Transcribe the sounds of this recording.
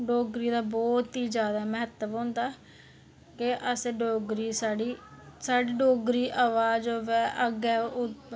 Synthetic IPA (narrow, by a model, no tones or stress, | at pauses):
ɖoːɡɾiːd̪aːbɔːt̪iːd͡ʒjaːd̪aːmɛɦət̪əʋɦõːnd̪aː | kɪʔəseɖoːɡɾiːsaːɖiːsaːɖiːɖoːɡɾiːʔaːʋaːd͡ʒoːʋɛːʔəɡɛːʊ